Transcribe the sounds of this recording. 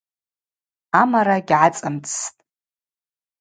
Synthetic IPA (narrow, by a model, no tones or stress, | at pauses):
amaɾaɡʲʕat͡sʼamt͡sʰtʼ